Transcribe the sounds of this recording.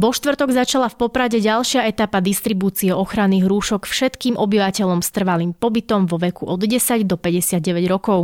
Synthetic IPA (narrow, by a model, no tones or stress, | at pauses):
vɔʃt̪ʋr̩t̪ɔɡzat͡ʃalafpɔpɾaɟɛɟalˠʃɪaɛt̪apad̪ist̪ɾibuːt͡siɛɔxɾanːiːɣɾuːʃɔkfʃɛt̪kiːmʔɔbiʋacɛʎɔmst̪r̩ʋaliːmpɔbit̪ɔmʋɔʋɛkuʔɔd̪ɟɛsaɟd̪ɔpɛɟɛsɪad̪̚ɟɛʋɛɟɾɔkɔʊ